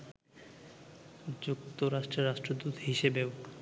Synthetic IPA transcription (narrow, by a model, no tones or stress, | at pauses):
d͡ʑukt̪oɾaʃʈɾeɾaʃʈɾod̪ut̪ɦiʃebeo